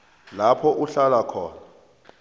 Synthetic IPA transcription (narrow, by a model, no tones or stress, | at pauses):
lapʰɔʔuɬalakʰɔːna